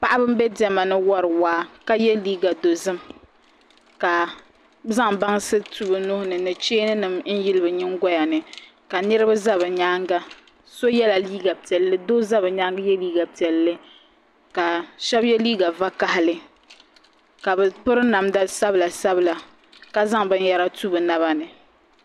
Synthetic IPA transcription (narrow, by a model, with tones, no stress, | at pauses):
pa˦ʔa˦bɨ˦m̩˦bɛ˦dɛ˨ma˨nɨ˦wɔ˦ɾɨ˨waː˦ka˦jɛ˦liː˦ɡa˨do˨zɨ˦m | ka˨ | za˦ŋba˦ŋsɨ˦tu˦˨bɨ˨nʊ˦hʊ˦nɨ˨nɨ˨t͡ʃeː˦nɨ˦nɨ˨mn̩˦jɪ˦lɨ˦bɨ˨ɲɪ˦ŋ˦ɡɔ˦ja˨nɨ˨ | ka˨nɨ˦ɾɨ˦ba˦za˦βɨ˨ɲaː˦ŋɡa˦ | so˦jɛ˦la˨liː˦ɡa˨pi˨ɛ˨lːɨ˦do˦za˦bɨ˨ɲaː˦ŋɡa˦jɛ˦liː˦ɡa˨pi˨ɛ˨lːɨ˦ | ka˨ʃɛ˦bjɛ˦liː˦ɡa˨va˦ka˦hɪ˦lɨ˨ | ka˨bɨ˨pʊ˦ɾɨ˦na˨mda˦sa˦bɨ˨la˨sa˦bɨ˨la˨ | ka˦za˦ŋbɨ˦n˦ja˦ɾa˦tu˦bɨ˨na˦βa˦nɨ˨